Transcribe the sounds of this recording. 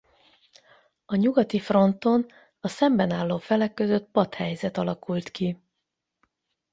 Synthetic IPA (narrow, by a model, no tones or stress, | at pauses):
ɒɲuɡɒt̪ifro̞nt̪o̞n | ɒsɛmbɛnaːlːoːfɛlɛkːø̞zø̞t̪̚pɒt̪hɛjzɛt̪ɒlɒkult̪ki